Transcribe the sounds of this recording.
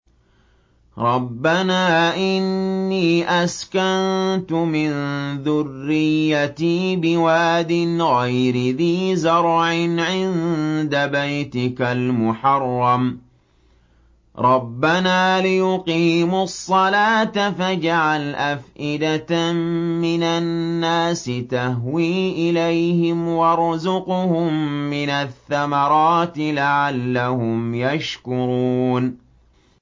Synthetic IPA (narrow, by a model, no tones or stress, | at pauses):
ɾˤɑbːanaːʔɪnːiːʔaskant̪ʊmɪnðʊrːɪjːat̪iːbɪwaːd̪ɪnɣajɾɪðiːzɑɾˤʕɪnʕɪnd̪abajt̪ɪkalmʊħɑrˤːɑm | ɾˤɑbːanaːlɪjʊqiːmʊsˤːɑlaːt̪afad͡ʒaʕalʔafʔɪd̪at̪mɪnanːaːsɪt̪aɦwiːʔɪlajhɪmwɑɾˤʊzʊqʊhʊmːɪnaθːamɑɾˤɑːt̪ɪlaʕalːahʊmjaʃkʊɾuːn